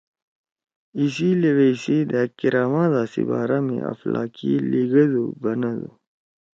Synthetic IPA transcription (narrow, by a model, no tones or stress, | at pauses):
is̬ileweisid̪akiɾaːmãːd̪aːsḭbaːɾamḛ̃ɐ̰fla̰ːkiliɡɐd̪ubɐnɐd̪u